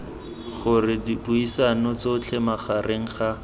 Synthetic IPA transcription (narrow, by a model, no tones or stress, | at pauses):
χʊrɪdibuisanɔt͡soʊt͡ɬʰɛmaχarʔeŋ̩χa